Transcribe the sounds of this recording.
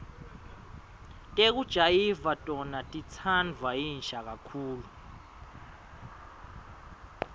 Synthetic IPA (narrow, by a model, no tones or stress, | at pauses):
tʼek̬ud̥ʒ̥ʱajivatʼɔnatʼit͡sʰand͡vʱwajinʃak̬akʰuːlu